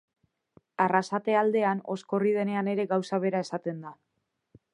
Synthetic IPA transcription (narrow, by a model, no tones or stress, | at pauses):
arasat̪e̞ald̪e̞ano̞̰sko̞rið̞e̞ne̞ane̞ɾe̞ɡawsaβ̞e̞ɾae̞sat̪e̞nd̪a